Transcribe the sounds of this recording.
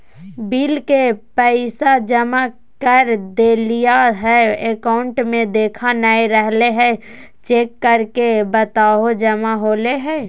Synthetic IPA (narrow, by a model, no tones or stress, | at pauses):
biːlkepɛɪsad͡ʒəma | kəɾd̪eːlijaɦɛekaʊɳʈmẽd̪eːkʰanaeɾɛɦleɦɛ̃ | t͡ʃeːkːəɾkebət̪aːɦod͡ʒəmaɦoːleɦɛ̃ː